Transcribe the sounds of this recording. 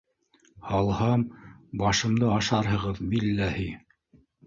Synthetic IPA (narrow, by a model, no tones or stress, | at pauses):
hɑlˠhɑmbɑʃɤ̆md̪ɤɑʃɑɾɦɤ̆ʁɤðmilːæhi